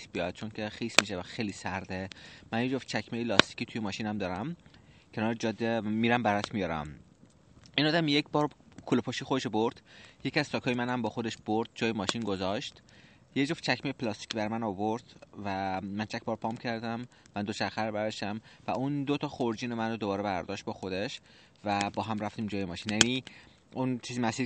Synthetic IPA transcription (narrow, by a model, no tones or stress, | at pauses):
sbijɒd̪̥̚t͡ʃʰoncʰexiːsmiʃevæxejlisæɾd̪emænjed͡ʒo̞ft͡ʃʰækʰmejelɒːst̪i̥cʲiːt̪ʰujemɒːʃiːnæmd̪ɒːɾæmcʰe̞nɒːɾed͡ʒɒːd̪ːemiːɾæmbæɾt̪ʰmijɒːɾæ̰m | ʔinɒːd̪æmjecʰbɒːɾkʰulepʰoʃiːxod̪eʃobo̞ɾd̪̥je̞cʰʲiæz̥t͡ʃʰɒːkʰɒːjemænæmbɒːxo̞d̪e̞ʃb̥oɾd̪̥̚d͡ʒɒːjemɒːʃinɡo̞zɒʃt̪ | jed͡ʒoft͡ʃʰækʰmejpʰlɒst̪i̥cʰbæɾmænɒvo̞ɾd̪̥væmænt͡ʃʰæc̚ʰʲbɒːɾpʰɒːmcʰæɾd̪æmːænd̪ot͡ʃʰæxæɾbæɾɒʃt̪æmvæund̪ot̪ʰɒːxoɾd͡ʒiːnemænod̪o̞bɒːɾebæɾd̪ɒːʃt̪̚bɒːxo̞d̪e̞ʃ | væbɒːɦæmɾæft̪iːmd͡ʒɒːjemɒːʃiːnjæniː | unt͡ʃʰiːzimæsiːɾ